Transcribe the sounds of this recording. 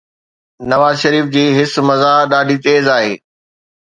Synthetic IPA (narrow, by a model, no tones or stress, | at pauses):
nɐʋaːzʃɐɾiːfd͡ʑiːɦɪsmɐzaɗaːɖʱit̪eːzaːɦḛː